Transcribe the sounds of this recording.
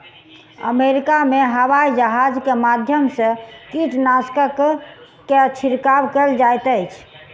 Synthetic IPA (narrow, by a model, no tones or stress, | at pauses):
ə̰meɾikameɦəwaid͡ʒəɦad͡ʒkemad̪ʱjəmsə̃kiʈnaskək | keət͡ʃʰiɾkabkəld͡ʒajt̪əjt͡ʃʰ